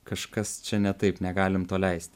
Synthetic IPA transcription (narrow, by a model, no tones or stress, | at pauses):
kɐʃkɐst͡ʃʲɛnʲɛt̪ɐɪpnʲɛɡɑːlʲɪmt̪oːlʲɛɪsʲt̪ʲ